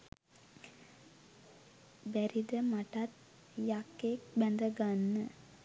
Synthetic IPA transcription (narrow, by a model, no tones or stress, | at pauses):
bɛɾid̪əmɐʈat̪̚ | jakːek̚bɛnd̪əɡanːə